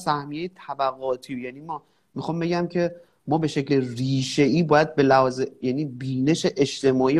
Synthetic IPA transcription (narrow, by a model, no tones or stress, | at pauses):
sæhmijejet̪ʰæbæɣɒːt̪ʰiːjæniːmɒː | mixɒːmbe̞ɟæmcʰe̞ | mɒːbe̞ʃecleriːʃe̞ʔiːbɒːjæd̪̚be̞læhɒːzejæniːbiːne̞ʃeʔeʃt̪e̞mɒːi